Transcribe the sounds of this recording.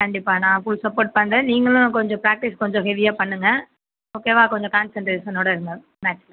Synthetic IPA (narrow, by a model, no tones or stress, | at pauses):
kɐɳɖɪpːaːnãːfʊɭsɐpːoːɾʈ̚pɐnɾɐniːŋɡɐɭʊ̃kɔɲd͡ʒɔ̃pɾaːk̚ʈɪskɔɲd͡ʒɔ̃ɦɛʋɪjaːpɐɳːɯŋɡɐ | oːkeːʋaːkɔɲd͡ʒɔ̃kaːnsɛɳʈɾeːʃɐnoːɽɐɪɾɯnɡ̪ɐ | maːʈt͡ʃ